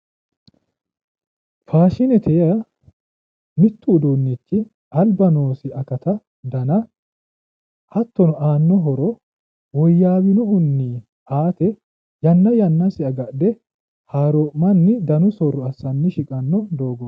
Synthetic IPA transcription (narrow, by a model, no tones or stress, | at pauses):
faːʃɪnɛt̪ʰɛjɐ | mɪt̪ːuːd̪uːnːɪt͡ʃːɪ | ɐlbɐnoːsɪɐkɐt̪ɐ | d̪ɐnɐ | hɐt̪ːɔnɔʔaːnːɔɦɔɾɔ | wɔjːaːwɪnʊʔʊnːiː | aːt̪ɛ | jɐnːɐjɐnːɐsɪɐɡɐʔd̪ɛ | haːɾoːʔmɐnːɪd̪ɐnʊsɔrːɔɐsːɐnːɪʃɪkʼɐnːɔd̪o̞ːɡɔ